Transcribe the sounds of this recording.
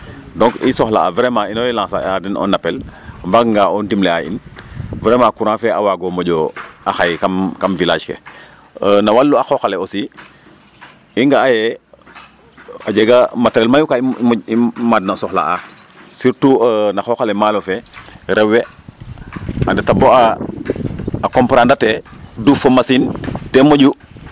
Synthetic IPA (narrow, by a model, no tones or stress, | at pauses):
dɔŋkḭsɔxla̰a̰vɾɛmainojlãŋsa̰adɛnɔ̰nːapɛlmbakŋɡaɔndimlɛaʔḭnvɾɛmakuɾãfɛa̰waɡɔmoɟɔaxajkamkamvilaːd͡ʒkḛ | ənawalːuaxoxalɛosi | iŋɡaːjɛ | aɟeɡamatɾɛlmajukaimimadnasɔxla̰ʔa | siɾtuənaxoxalɛmaːlofeɾɛwːe | andɛtaboa | akompɾandatedufomasintɛmoɟu